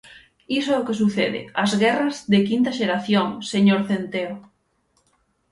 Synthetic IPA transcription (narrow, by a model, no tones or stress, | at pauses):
isoɛʊkesuθeðɪ̰azɣɛrɐzðekint̪ɐʃeɾaθjoŋseɲoɾθent̪eo